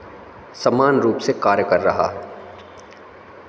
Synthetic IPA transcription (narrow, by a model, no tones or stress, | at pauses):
sɐmaːnɾuːpsekaːɾjəkəɾːɐɦa̰ɦɛː